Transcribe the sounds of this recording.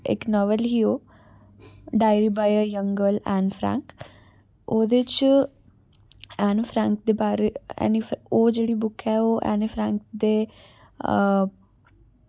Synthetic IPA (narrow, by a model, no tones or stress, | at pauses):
ɪ̰knɔːʋəlɦiːoː | ɖaːɪɾiːbaːjəɾjəŋɡəlɛ̃ːnpʰɾɛ̰̃ːŋk | oːd̪et͡ʃ | ɛːnpʰɾɛ̃ːŋkd̪eːbaːɾeɛ̰ːnifoːd͡ʒeːɽiːbʊkʰɛːoːʔɛ̰ːnipʰɾɛ̃ːŋk̚d̪eː